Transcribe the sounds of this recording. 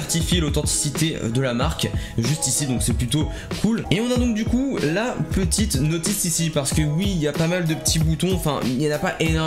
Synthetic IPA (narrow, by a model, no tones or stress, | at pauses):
ɛʁt̪ifjelot̪ɑ̃t̪i̥sit̪ḛd̪əlamaʁkʒyst̪isid̪ɔ̃ksɛplyt̪o | kʰuleɔ̃nad̪ɔ̃k̚d̪ykulapət̪ʰit̪nɔt̪isisipaʁsə̥kəwiːljapamald̪əpə̥t̪ʰibut̪ɔ̃ɑ̃fɛ̰̃ilnapaʔen